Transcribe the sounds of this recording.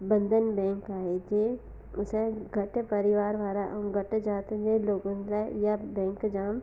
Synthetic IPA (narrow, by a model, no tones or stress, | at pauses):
bə̃nd̪ʱənbɛ̃ːŋkaːed͡ʒe | ʊseɡʱɐʈpɐɾɪʋaːɾʋaːɾaʔɡɐʈd͡ʒaːt̪d͡ʒeːloːɡõlajabɛ̃ːŋkd͡ʒaːm